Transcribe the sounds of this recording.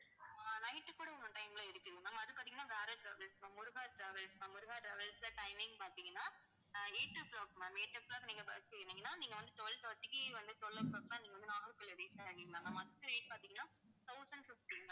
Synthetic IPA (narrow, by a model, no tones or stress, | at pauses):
nɐɪʈːɯkːuːɽɐɔmɐʈɐɪmlɐɪɾɯkːɯðɯnɐmːɐɐðɯkpːaːt̪iŋɐnːaːʋeːɾɐʈɾɐʋɐlsɐmʊɾʊɣaːʈɾɐʋɐlsɐmʊɾʊɣaːʈɾɐʋɐlslɐʈɐɪmɪ̃ŋɡpaːɾt̪iŋɡɐnːaː | eːʈːɯploːpnɐ̃meːʈːɐpːlɐkniːŋɡɐpa̰ːsekːɐnːiːŋɡɐnːaːniːŋɡɐʋɐnd̪ɯt̪ɔlt̪ɔt̪ːɪkːiʋɐnd̪ɯt̪ɔlːɐpɭoːplaːniːŋɡɐʋɐnd̪ɯnaːɣɾɯkːɐlɛɽɪt͡ʃɐɐŋɪŋnaːnɐmːɐɐðɯkːɯeːʈpaːɾt̪iŋɡɐnːaː | t̪ʰɐʊsɐɳɖfɪfʈiŋɐ